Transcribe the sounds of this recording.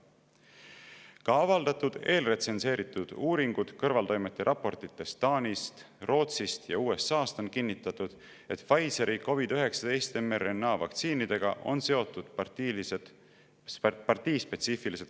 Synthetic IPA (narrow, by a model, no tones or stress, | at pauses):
kɑɑvɑld̪̥ɑt̪ud̪̥e̞ːlre̞t̪se̞nse̞ːɾit̪ːˑud̪̥uːɾiŋɡ̥ud̪̥kɤrvɑlt̪o̞jme̞t̪ˑːe̞ɾʔɑpːˑo̞rt̪it̪ˑːe̞st̪ɑːnʲist̪ | ro̞ːt̪sist̪jɑ̰uːe̞sːɑːst̪o̞nkinːit̪ːˑɑt̪ˑud̪̥ | e̞t̪fɑjseɾʔiko̞vid̪̥yɦe̞ksɑd̪̥e̞jst̪e̞mːerenːɑːvɑ̰kt̪siːnid̪̥e̞ɡ̥ɑʔo̞̰nse̞o̞t̪ːˑud̪̥pse | pɑrt̪iːspe̞t̪siːfiliset̪